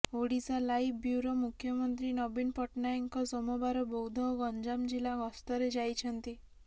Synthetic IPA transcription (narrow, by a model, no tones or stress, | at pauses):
oɽit͡salaifbjuɾomukʰjəmənt̪ɾinɔbinpɔʈnajiŋkɔsɔmɔbaɾɔbɔwd̪ʱɔwɡɔɲd͡ʑamd͡ʑilaɡɔst̪ɔɾed͡ʑajt͡ɕʰənt̪i